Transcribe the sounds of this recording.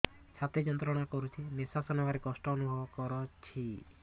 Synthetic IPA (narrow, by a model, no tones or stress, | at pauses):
t͡ʃʰat̪id͡ʒɔnt̪ɾɔɽ̃akɔɾut͡ʃʰinesasɔnɔʋaɾekɔsʈɔːnubʱɔbɔkɔɾɔt͡ʃʰi